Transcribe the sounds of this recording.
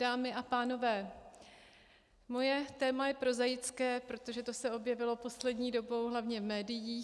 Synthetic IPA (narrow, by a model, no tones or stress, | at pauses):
daːmɪʔapaːno̞vɛː | mo̞jɛt̪ɛːmajɛpɾo̞zajɪt͡skɛːpɾo̞t̪o̞ʒɛt̪o̞sɛo̞bjɛvɪlo̞po̞slɛdɲiːdo̞bo̞wɦlavɲɛvmɛːdɪjiː